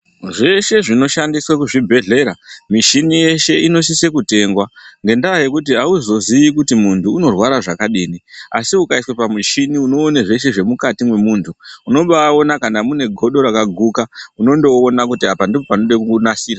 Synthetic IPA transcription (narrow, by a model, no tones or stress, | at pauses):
ʐe̞ʃe̞ʐino̞ʃandiswakuʐibʱe̞ɮe̞ɾamiʃinije̞ʃe̞ino̞s̬ise̞kute̞ŋɡwaŋɡe̞ndaje̞kutiauzo̞zijikutimuntʰuːno̞rwaɾaʐakaɗiːnia̰siukaiswepamiʃiniuno̞ːneʐe̞ʃe̞ʐe̞mukatimwe̞muːntʰuuno̞ɓao̞nakanamune̞ɡʱo̞ɗo̞ɾakaɡʱukauno̞nde̞oːnakutiapandipopanoɗakunasiːrwa